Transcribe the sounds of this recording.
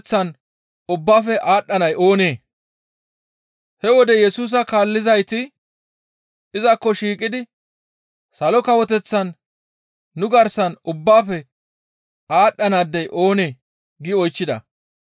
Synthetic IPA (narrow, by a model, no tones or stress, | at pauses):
t͡sːɐn | ʊbːaːfɛʔaːɗːɐnɐjʔoːne̞ː | hɛwɔd̪ɛjɛsuːs̬ɐkaːlːɪzɐjt̪ɪ | ɪzɐkːɔʃiːkʼːɪd̪ɪ | sɐlɔkɐwɔt̪ɛt͡sːɐnː | ʊɡɐɾsɐnʊbːaːfɛ | aːɗːɐnaːd̪ːɛjʔo̞ːne̞ː | ɡɪɔjt͡ʃːɪd̪ɐ̰